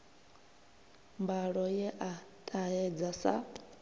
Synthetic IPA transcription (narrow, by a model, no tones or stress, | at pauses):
mbaɺɔjɛʔatʼaɛd͡zasa̰